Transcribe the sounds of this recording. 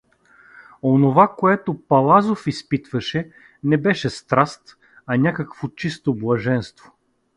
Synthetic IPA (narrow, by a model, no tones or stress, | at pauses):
onovakoɛt̪opɐlˠazofispit̪vɐʃɛ | nɛbɛʃɛst̪ɾast̪ | ɐnʲakəkvot͡ʃist̪oblˠɐʒɛnst̪vo̥